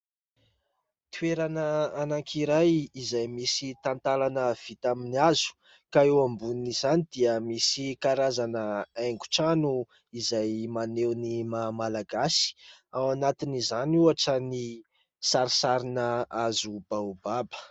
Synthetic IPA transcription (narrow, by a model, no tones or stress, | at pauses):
t̪ueɾanəanaŋkʰiɾajizajmisit̪ant̪alanəv̥it̪aminiazu̥ | kaewambunniz̥anid̪̥iəmisikaɾazanəeŋɡu̥ʈ͡ʂanu | izajmanewnimamalaɡasi̥awanat̪inizanuaʈ͡ʂəni | saɾisaɾinəazub̥ababə̥